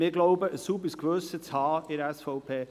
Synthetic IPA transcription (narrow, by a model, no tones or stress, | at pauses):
mɪɡloʊbəʔəsubəsɡʋøːsət͡shɑːɪɾɛsfɔʊpʰeː